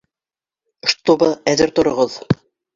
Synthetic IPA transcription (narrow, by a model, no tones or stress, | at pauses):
ʃt̪obɤæðɘɾt̪ŏɾŏʁɤð